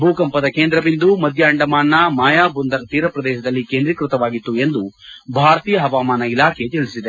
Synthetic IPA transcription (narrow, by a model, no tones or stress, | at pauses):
bʱuːkɐmpɐd̪ɐkeːnd̪ɾɐʋind̪umɐd̪ʱjɐɐɳɖɐmaːnːɐmaːjaːbund̪ɐɾt̪iːɾɐpɾɐd̪ɛːʃɐd̪ɐlːikend̪ɾikɾut̪ɐʋaːɡit̪ːue̞nd̪ubʱaːɾt̪ijɐɦɐʋaːmaːnɐilaːkʰe̞t̪eɭisid̪e